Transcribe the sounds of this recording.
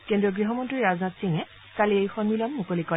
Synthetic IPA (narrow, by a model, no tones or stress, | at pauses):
kendiɔɡɹiɦɔmɔntɹiɹaznatsiŋɛ | kaliejxɔnmilɔmːukolikɔ